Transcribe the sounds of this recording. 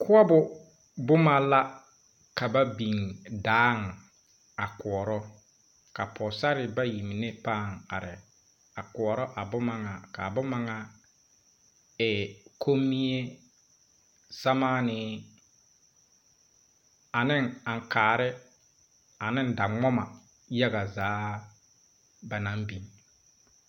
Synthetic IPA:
kʰʊ˦ɔ˦bʊ˨ | bʊ˦ma˦la˦ | ka˨ba˦bi˨ŋdaː˦ŋ˨ | a˨kʊ˨ɔ˨ɾɔ˦ | ka˨pʰɔ˨sa˦ɾɪ˨ba˦ji˨mi˨ne˦pa˦˨ŋa̰˨ɾɪ˨ | a˨kʊ˨ɔ˨ɾɔ˦ʔa˨bʊ˦ma˨ŋa˨ka˨bʊ˦ma˨ŋa˨ | ɛ˨kʰo˦mːi˦e˦ | sa˦maː˦nɪ˦ | a˨nɪ˦ŋa˨ŋ˨kaː˨ɾɪ˦ | a˨nɪ˦n˦da˨ŋɔ˦ma˨ | ja˦ɣa˨zaː˨˦ | ba˨na˨˦m˦bi˨n˨

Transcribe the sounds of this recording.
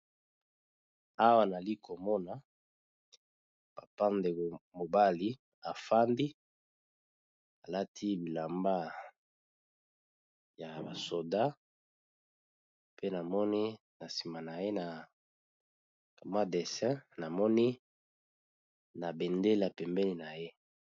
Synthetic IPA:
a˦wa˨na˨li˦ko˨mɔ˦na˨˦ | pa˨pa˦nde˨ɡo˨mo˨ba˦li˦ | a˨fa˦ndi˦ | a˨la˦tʰi˦bi˨la˨mba˦ | ja˨ba˨so˨da˦ | pe˦na˨mɔ˦ni˦ | na˨si˨ma˨na˨je˦na˨ | ka˨ma˦de˨sɛ̃˦na˨mɔ˦ni˦ | na˨be˨nde˦la˨pɛ˨mbɛ˦li˨na˨je˦

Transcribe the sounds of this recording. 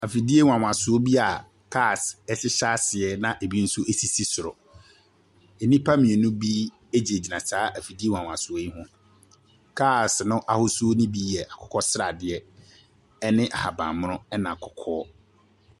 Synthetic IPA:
a˨fi˨di˦e˦wã˨wã˨sʊ˨˦o˦bi˦a˨ | kʰa˦˨sɛ˦sɪ˦ɕa˦sɪ˨ɛ˨nã˨ʔe˨bi˦n̩˦sʊ˦ʔe˦si˦si˦sʊ˨ɾɔ˨ | e˨nĩ˦pʰa˦mĩ˨e˨nʊ̃˦bi˦ | e˦d͡ʑi˨e˨d͡ʑi˨nã˨saː˨˦ʔæ˨fi˨di˦e˦wã˨wã˨sʊ˨o˦ji˦ɦʊ̃˦ | kʰa˦˨snʊ̃˦ʔa˦hʊ˦su˦o˦nĩ˦bi˦ɛ˨ʔa˨kʰɔ̥˨kʰɔ˦sɾa˨dɪ˨ɛ˦ | ɛ˦nɪ̃˦ʔa̰˨ha˨bã̰˨mʊ̃˦ʊ̃˦ɛ˦nã˨a˨kʰɔ̥˨kʰɔː˦

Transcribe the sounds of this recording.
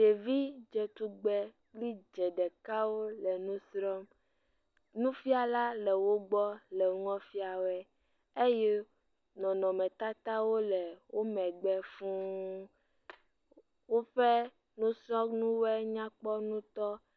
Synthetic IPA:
ɖe˨vi˦d͡ʒɛ˨t̪u˦ɡ͡bɛ˦ | k͡pli˦d͡ʒɛ˨ɖɛ˨ka˦wo˦lɛ˨nũ˦sɾɔ˦m | nũ˦fi˦a˨la˦lɛ˨wo˦ɡ͡bɔ˦lɛ˨˦ŋɔ̃˦fi˦a˨wo˦ɛ˦ | e˦jɛ˦ | nɔ̃˨nɔ̃˨mɛ̃˨t̪a˦t̪a˦wo˦lɛ˨wo˦mɛ̃˨ɡ͡bɛ˦fũ˦ | wo˦ɸɛ˦ | nũ˦sɾɔ̃˦nũ˦wɛ˦ɲã˦k͡pɔ˦nũ˦t̪ɔ˦

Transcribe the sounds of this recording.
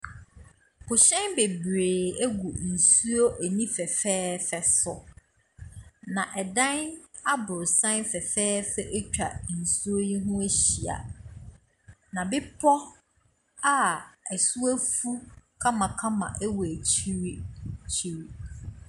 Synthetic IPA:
pʰʊ˨ɕɛ̃˦nbe˨bɾeː˨æ˦ɡu˨n̩˨su˦o˦ʔæ˨nĩ˦fɛ˨fɛː˦fɛ˨sʊ˨ | nã˨ʔɛ˨dã˦na˦bʊ˨ɾsã˦nfɛ˨fɛː˦fɛ˦ʔɛ˦t͡ɕᶣa˨n̩˨su˦o˦ji˦ɦʊ̃˦æ˦ɕi˨a̰˨ | nã˨bɪ˦pʰɔ˦ | a˦æ˨su˦æ˦fu˦kʰã˦mã˨kʰã˦mã̰˨ʔɛ˦wɔ˨æ˨t͡ɕʰi˦ɾt͡ɕʰi˦ɾi˦

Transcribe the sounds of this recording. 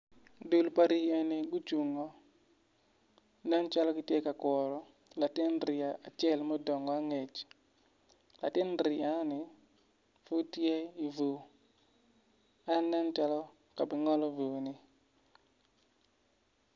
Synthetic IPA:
du˦lpa˦ɾi˦ɛ˦˨ne˨ɡu˦t͡ʃu˨ŋɔ˦ | na˦nt͡ʃa˦lɔ˦ki˨te˦ka˨kwɔ˨ɾɔ˦ | la˨ti˦nɾi˨a˨ʔa˨t͡ʃɛ˦˨lmɔ˦dɔ˨ŋɡɔ˦a˦ŋe˨t͡ʃ | la˨ti˦nɾi˨a˦ni˨ | fu˦tje˦i˨vo˨ | a˦nda˦nt͡ʃa˦lɔ˦ | ka˨bɪ˨ŋɔ˦lɔ˦vo˨ni˦

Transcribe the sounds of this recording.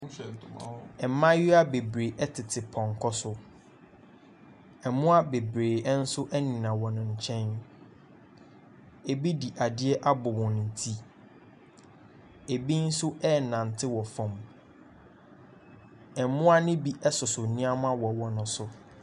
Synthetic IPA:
ɛ˨˦mã˦jɪ˦a˦be˨bɾeː˨ʔɛ˦tʰɪ˨tʰɪ˨pʰɔ̃˨ŋ˨kʰɔ˦sʊ˦ | ɛ˨mʊ̃˦a˦be˨bɾeː˨ɛ˦n̩˦sʊ˦ʔɛ˦nĩ˨nã˨wɔ˨nʊ̃˨ɲ̩˨t͡ɕʰɛ̃˦n | e˨bi˦di˨ʔa˨dɪ˦ɛ˦ʔa˦bʊ˨wɔ̃˨ñ˨n̩˨tʰi˦ | e˨bi˦n̩˦sʊ˦ʔɛ˦˨nã˨n˨tʰɪ˦wɔ˨fɔ̃˨m | ɛ˨mʊ̃˦a˦nɪ̃˦bi˦ʔɛ˦sʊ˨sʊ˨nĩ˦a˦mã˦wɔ˨wɔ˨nʊ̃˦sʊ˨

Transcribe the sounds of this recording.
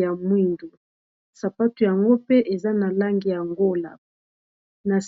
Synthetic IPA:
ja˨mwi˦ndu˨ | sa˨pa˦tu˨ja˨ŋɡo˦pe˦ʔe˨za˦na˨la˦ŋɡi˨ja˨ŋɡo˦la̰˨ | na˨s

